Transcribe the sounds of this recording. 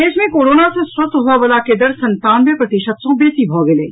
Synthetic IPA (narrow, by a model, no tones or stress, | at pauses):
eːʃmẽkoːɾoːnasẽswəst̪ɦoaʋəlaked̪əɾsɐ̃nt̪aːnbepɾɐt̪ɪʃət̪sõbeːsibʱɔːɡeleː